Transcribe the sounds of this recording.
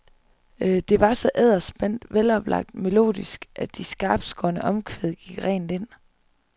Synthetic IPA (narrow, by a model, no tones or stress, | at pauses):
d̥e̝ʋɑ̈sɒ̽ʔæð̞̰ˠɐsb̥en̰d̥ʋelɒ̽b̥lɑ̈ɡ̥̚d̥me̝lo̝̰ːðˠisɡ̥ʔæd̥isɡ̥ɑ̈ːb̥sɡ̥ɒɐnəʔɒ̽mkʰʋeðˠɡ̥iɡ̥ʁɛ̰ːn̩ˠe̝n̰